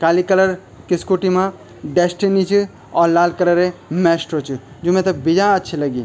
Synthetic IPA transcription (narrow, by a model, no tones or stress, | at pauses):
kalikələɾ | kiskuʈimã | ɖesʈinit͡ʃʰi | ɔɾlalkələɾemesʈɾot͡ʃʰi | d͡ʒumẽt̪ɐbid͡ʒãətːʃʰiləɡi